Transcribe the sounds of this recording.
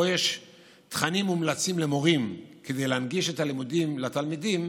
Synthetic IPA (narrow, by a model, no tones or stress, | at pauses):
ojeʃ | t̪χanimumlat͡simle̞mo̞ʁimke̞de̞jleanɡiʃetalimudimlat̪almidim